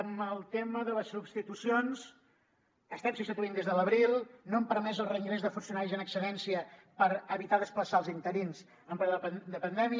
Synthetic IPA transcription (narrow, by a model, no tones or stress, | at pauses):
əməlˠt̪eməðələsubst̪it̪usionz | əst̪ɛmsupst̪it̪uind̪ezðələβɾilˠnoəmpəɾmɛzəlˠrəiŋɡɾezðəfunsiunaɾizənəksəlɛnsiə | pəɾəβit̪aðəspləsaəlˠzint̪əɾins | əmpɾɛðəd̪əpənd̪ɛmi